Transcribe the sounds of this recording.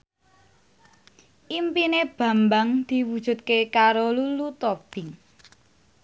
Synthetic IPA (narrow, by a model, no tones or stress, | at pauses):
ʔimpineb̥ä̤mbaŋd̪̥i̤wud̥ʒ̥ṳt̪̚kekaɾolulut̪ɔb̥ɪ̤ŋ